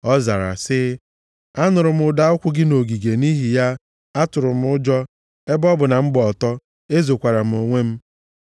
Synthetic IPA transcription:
ɔ˦za˨ɾa̰˨sɪ˦ | a˦nʊ˨ɾʊ˨m̩˦ʊ˨da˦ʊ˦kʷʊ˦ɡɪ˦no˨ɡi˨ɡe˨ni˦ɦi˨ja˦ | a˦tʊ˨ɾʊ˨m̩˦ʊ˦d͡ʒɔ˦ | e˦bɔ˦bʊ˨na˨m̩˦ɡ͡bɔ˨tɔ˦ | e˦zo˨kʷa˨ɾa˨m̩˨o˨ŋʷe˦m̩˦

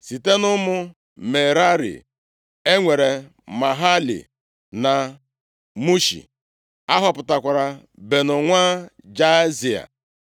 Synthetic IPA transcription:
si˨te˦nʊ˦mʊ˦ | me˨ɾa˦ɾḭ˨ | e˦ŋʷe˨ɾe˨ | ma˨ɦa˦lḭ˨ | na˨ | mu˦ʃḭ˨ | a˦ɦɔ˨pʊ˨ta˨kʷa˨ɾa˨ | be˨nʊ˨ŋʷa˦ | d͡ʒa˦zi˨a̰˨

